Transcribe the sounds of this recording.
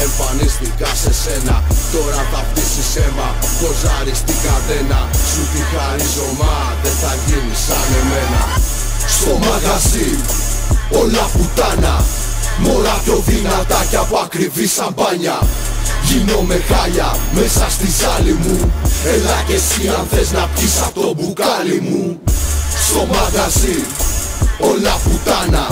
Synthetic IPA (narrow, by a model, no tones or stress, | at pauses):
ɛmfanɛst̪ikasɛsɛnat̪ɔɾatapt̪isisɛma | kɔzaɾist̪ikaðɛnasut̪ikaɾizɔma | t̪ɛt̪aɣinisanɛmɛna̰ | sɔmaɣazi | ɔlaput̪ana | moɾakoðinat̪akapakɾivisabaɲa | jinomekaʎa̰mesast̪izalimuɛlakesiãnt̪ɛznapisat̪obukalimu | somaɣazi | olaput̪ana